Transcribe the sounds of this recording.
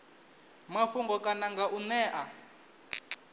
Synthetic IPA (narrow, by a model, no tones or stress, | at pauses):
maɸuŋɡɔkʼanaŋɡaʔunɛːʔa